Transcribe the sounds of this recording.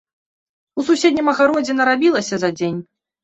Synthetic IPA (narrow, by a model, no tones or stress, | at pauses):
ususʲed̪ʲnʲimɐɣaɾɔd͡zʲɛnɐɾabʲilˠɐsʲɐzɐd͡zʲenʲ